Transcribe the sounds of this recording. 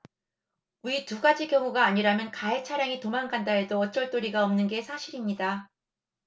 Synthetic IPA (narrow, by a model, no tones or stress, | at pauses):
uituɡad͡ʑiɡjʌŋuɡaːɲiɾamjʌnkaet͡ɕʰaɾjaŋitomaŋɡandaedoʌt͡ɕ͈ʌɭt͈oɾiɡaʌmnɯnɡe̞sʰaɕʰiɾimɲida